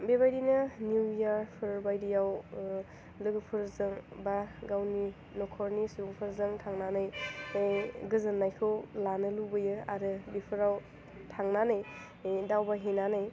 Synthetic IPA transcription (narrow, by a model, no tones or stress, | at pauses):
bebajdinɯnuwjaɾpʰɯɾbajdijaw | lɯɡpʰɯɾzɯŋbaɡawni | nɔkʰɔɾnisuuɡpʰɯɾzɯŋtʰaŋnanɯj | ɡɯzɯnːajkʰɯwlanɯlubɯjɯaɾɯbipʰɯɾaw | tʰaŋnanaj | dawbaɦenanaj